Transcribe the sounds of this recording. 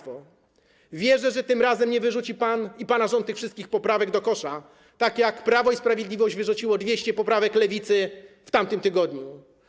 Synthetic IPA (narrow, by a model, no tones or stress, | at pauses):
fɔ | vʲjɛʐɛʐɛt̪ɘmɾazɛmɲɛvɘʐut͡ɕipanipanaʐɔnt̪ːɨxfʂɘst̪̚kʲixpɔpɾavɛɡd̪ɔkɔʂa | t̪akjakpɾavɔispɾavʲjed̪lʲivɔɕʑd͡ʑvɘʐut͡ɕiwɔd̪vʲjeɕt͡ɕɛpɔpɾavɛklɛvʲit̪sɘft̪amt̪ɘmt̪ɘɡɔd̪ɲu